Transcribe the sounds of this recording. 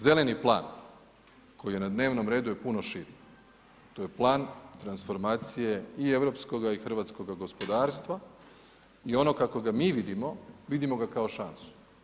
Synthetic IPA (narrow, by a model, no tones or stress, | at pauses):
ze̞leniplˠa̰ːn | ko̞jije̞nad̪neːʋno̞mɾe̞ːd̪uje̞puno̞ʃiːɾ | t̪o̞je̞plˠaːnt̪ɾansfo̞ɾmaːt̪sije̞ie̞ʋɾo̞psko̞ɡaixr̩ʋaːt̪sko̞ɡaɡo̞spo̞d̪aːɾst̪ʋa | io̞no̞kako̞ɡamiːʋid̪imo̞ʋid̪imo̞ɡakao̞ʃansu̥